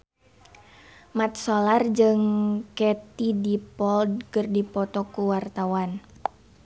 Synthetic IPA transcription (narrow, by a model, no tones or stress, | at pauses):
mat̪̚solard͡ʒɨŋkɛt̪idipɔld̚kɨrdipɔt̪ɔkuwart̪awan